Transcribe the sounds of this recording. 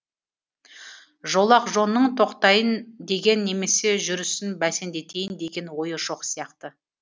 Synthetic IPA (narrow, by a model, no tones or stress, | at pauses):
ʒo̞lˠɑqʒo̞nːəɴt̪ʰo̞qt̪ɑjənd̪e̞ɡʲe̞nːe̞me̞se̞ʒʏɾʏsɪnbæse̞nd̪e̞t̪ʰe̞jɪnd̪e̞ɡʲe̞nwo̞jəʃo̞qsijɑqt̪ə